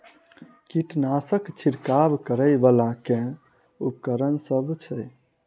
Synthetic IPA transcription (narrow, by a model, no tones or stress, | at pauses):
kiʈnasəkt͡ʃʰiɾkabkəɾəjbalakẽ | upkəɾənsəbʱt͡ʃʰɛ